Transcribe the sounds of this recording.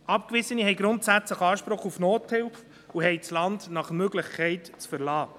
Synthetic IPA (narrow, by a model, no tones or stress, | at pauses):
ɑpkvɪsənihɛɪɡɾʊntsæt͡sləχɑːʃpɾʊχufnoːthɪlf | uɦɛjt͡slɑndnɑχəmøɡləχkʰɛɪtt͡sfəɾlɑː